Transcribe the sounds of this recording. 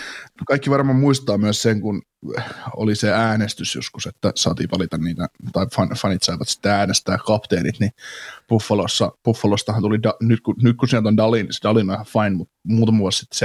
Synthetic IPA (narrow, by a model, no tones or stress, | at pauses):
nokɑikːiʋɑrmɑmuist̪ɑːmyæsseŋkun | o̰liseæːnest̪ysjo̰skuset̪ːæsɑːt̪ḭːpɑlit̪ɑnniːt̪æt̪ɑifɑnfɑnit̪sɑiʋɑt̪si̥t̪ːeæːnest̪æːkkɑpt̪eːlḭt̪nipufːɑlosːɑpufːɑlost̪ɑhɑnt̪ulidɑnyt̪kunyt̪̚kusiælt̪ondɑlːinsdɑlːˑinɑhɑfɑinmut̪muːt̪ɑmɑʋuɑlssi̥t̪ːs